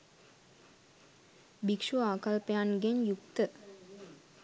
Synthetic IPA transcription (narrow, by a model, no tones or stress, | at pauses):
bikʂuaːkalpejanɡeɲjukt̪ə